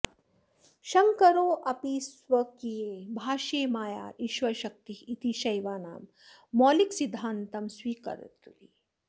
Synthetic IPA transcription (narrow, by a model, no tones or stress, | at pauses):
ʃɐŋkɐɾoːʔɐpisʋɐkijeːbʱaːʃeːmaːja̰ːɾiʃʋɐʃɐk̚t̪iit̪iʃɐjʋaːnaːmː | ɔːliksid̪ʱːaːnt̪ɐmswiːkɐ̰ɾ̰t̪uli